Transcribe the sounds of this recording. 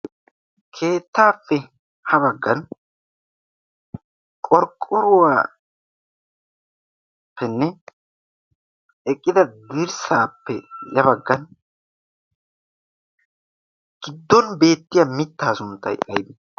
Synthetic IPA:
kʰe̞ːt̪ːaːfːɛ | hɐbɐɡːɐn | kʼɔɾkʼːɔɾʊwaː | pʰːɛnːɛ | ɛkʼːɪd̪ɐd̪ɪɾsaːpːɛjɐβɐɡːɐn | ɡ̥ɪd̪ːɔnbe̞ːt̪ːɪjɐmɪt̪ːaːsʊnt̪ːɐ̰jɐjb̪ɪ

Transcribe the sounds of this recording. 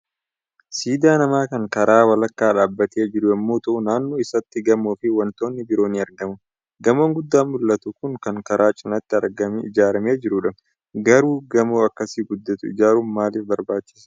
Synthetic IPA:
siːd̪aːnɐmaːkɐŋkɐɾaːwɐlɐkːaːᶑaːbːɐt̪ʰeːd͡ʒɪɾʊɐmːo̞ːt̪ɐʔʊnaːnːoːɪsɐt̪ːɪɡɐmoːfɪwɐnt̪o̞ːnːɪbɪɾo̞ːniːɐɾɡɐmʊ | ɡɐmoːŋɡʊd̪ːaːmʊlːɐt̪ʊkʊŋkɐŋkɐɾaːt͡ʃʼɪnɐt̪ːɪɐɾɡɐmɪd͡ʒaːɾɐme̞ːd͡ʒɪɾʊᶑɐ | ɡɐɾuːɡɐmoːɐkːɐsiːɡʊd̪ːɐt̪ʊɪ̰d͡ʒaːɾuːmmaːlɪfbɐɾbaːt͡ʃːɪ̥s

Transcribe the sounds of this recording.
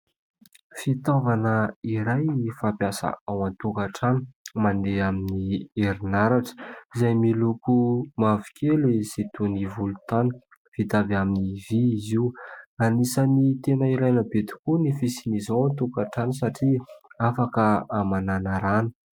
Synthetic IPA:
fit̪ovanəiɾajfapiasa̰awant̪ukaʈ͡ʂani̥mand̪eaminieɾinaɾaʈ͡ʂə̥izajmilukumavi̥kʰelesit̪univulut̪anə̥ | v̥it̪avaminiviːziuanisənit̪enaiɾajnəbet̪i̥kunifisinizawant̪ukaʈ͡ʂanisaʈ͡ʂiafakəamananaɾanə̥

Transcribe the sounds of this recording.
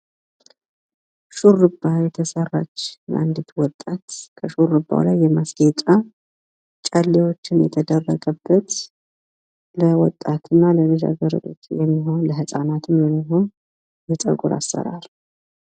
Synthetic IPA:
ʃurɨbːajɛt̪ʰəsərːat͡ʃːbʔand̪ɨt̪wɔt̪ʼːat̪kʰəʃurɨbːa̰lajːɛmasɡet͡ʃʼa | t͡ʃʼalːewo̞t͡ʃːɪnjɛ̰t̪ʰəd̪ərːəɡʼəbːət̪ | ləwɔ̰t̪ʼːat̪ʰɨnːalənɨʒa̰ɡəɾɨ̰lo̰t̪jɛmːiɦo̞nləɦɨsʼanat̪ʰɨmjɛmːiɦo̞n | jɛt̪ʼə̰ɡuɾa̰sːə̰ɾa̰l

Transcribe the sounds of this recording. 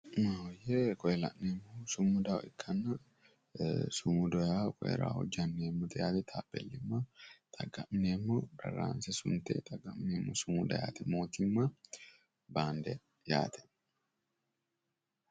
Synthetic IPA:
majɛkɔjɛlɐ̰ʔnemːɔsʊmːʊd̪ɐwʔɪkʰːɐnːɐ | sʊmʊd̪ɔjakɔjɛ̰ɾa̰ːhɔ̰d͡ʒɐnːeːmːɔt̪ɛjaːt̪ɛt̪ʰaːbɛ̰lːɪmːɐt̪ʰʼɐɡɐmneːmːɔdɐ̰ɾa̰ːnsɛsʊ̰nt̪ɛ̰t̪ʼɐɡɐmneːmːɔsʊmʊd̪ɐja̰ːt̪ɛmo̞ːt̪ɪmːɐ | baːnd̪ɛ | ja̰ːt̪ʰɛ̥

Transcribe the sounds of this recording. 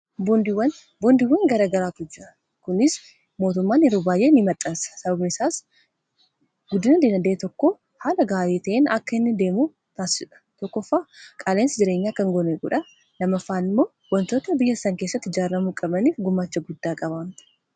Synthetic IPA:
bd̪ɪwɐn | bɔnd̪ɪwːɐŋɡɐɾɐːɡɐɾaːt̪ʊd͡ʒɪɾɐ | kʊnɪs | mo̞ːt̪ʊmːaːnɪɾuːbaːjʔeːnɪmɐt̪ʼːɐnsɐ̥sɐbɐbɪnɪsaːs | ɡ̥ʊd̪ɪnɐd̪eːnɐd̪e̞ːt̪ɔkːo | haːlɐɡaːɾeːt̪ɐʔeːnɐkːɐɪnːɪd̪e̞ːmuː | t̪aːsɪd͡ʒɛᶑɐ̥t̪ɔkːɔfːaːkʼaːleːnsɪd͡ʒɪɾe̞ːɲːaːkɐŋɡɔneɡʊ̰ᶑɐ | lɐmɐfaːnɪmːo̞ː | wɐnt̪o̞ːt̪ɐbɪjːɐsɐŋke̞ːsːɐt̪ːhɪd͡ʒaːrːɐmuːkʼɐbɐniːfɡʊmːaːt͡ʃːɐɡʊd̪ːaːkʼɐbaːmt̪ɐ̥

